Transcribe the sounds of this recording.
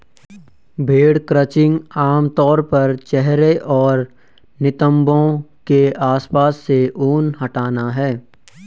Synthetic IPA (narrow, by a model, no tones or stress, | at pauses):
bʱeːɽkɾət͡ʃɪ̃ŋɡaːmt̪ɔːɾpɐɾt͡ʃɛɦɾeʔɔːɾ | nɪt̪ə̃mbõkeaːspaːsːeʔoːnɦɐʈaːnaɦɛː